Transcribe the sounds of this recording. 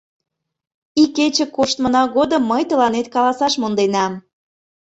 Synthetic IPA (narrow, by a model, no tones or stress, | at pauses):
iket͡ɕə̆koʃt̪mə̆nɑɣod̪əmːəjt̪əlɑnet̪̚kɑlɑsɑʃmond̪enɑm